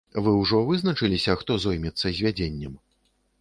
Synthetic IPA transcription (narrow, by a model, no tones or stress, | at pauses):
vɨwʐɔvɨznɐt͡ʂɨlʲisʲɐxt̪ɔzɔjmʲɛt̪sːɐzʲvʲad͡zʲenʲːɛm